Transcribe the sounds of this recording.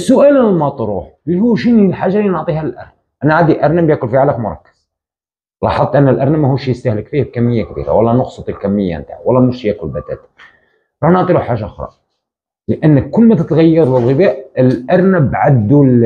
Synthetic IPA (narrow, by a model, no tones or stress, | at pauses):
sːʊʔælænəlmæt̪ˤɾˤuħlːihuʃinilħaʒːalinoʕt̪ˤihælʔɑ̰ɾn | ʔænaʕad̪iʔɑɾˤnæbjækʊlfiʕalakmʊɾˤɑ̰kːə̥z̥ | lˤɑ̰ħɑd̪ˤt̪ːˤʔænːəlʔɑɾˤnæmæhuʃjəst̪æhləkfihb̚kæmːəjːak̚bḭɾa̰wɑlːɑnʊqsˤət̪ˤəlkæmːəjːa̰mənt̪a̰ʕwɑlːɑmuʃjækʊlbæt̪æ̰t̪ | ɾˤɑħnoʕt̪ˤiluħaʒːaʔʊxɾˤɑ̰ | ləʔænːəkkːʊlːmæt̪ət̪ɣæjːɑɾˤləlɣəbæʔəlʔɑɾˤnæbʕad̪ːul